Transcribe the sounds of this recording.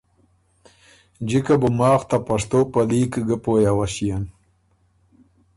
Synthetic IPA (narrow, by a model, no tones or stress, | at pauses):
d͡ʒikabʊmɑːxt̪apaʂt̪oːpaliːkɡəpoːjawaɕijan